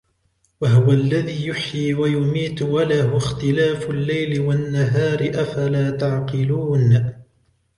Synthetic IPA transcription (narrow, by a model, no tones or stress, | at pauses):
waɦʊwaalːaðiːjʊħjiːwajʊmiːt̪walaɦʊxt̪ɪlaːfʊlːajlɪwanːaɦaːɾɪʔafalaːt̪aʕqɨluːn